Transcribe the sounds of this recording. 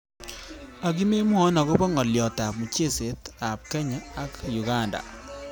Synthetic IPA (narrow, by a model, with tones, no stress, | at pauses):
a˨k̬i˦me˦mʊ˦ɔ˦na˨kʊ˦bɔ˦ŋɔ˨ljɔ˨ta˨p̚mu˨t͡ʃe˦˨se˨˦ta˨p̚kɛ˦ɲaː˦kju˨ɡa˦nda̰˨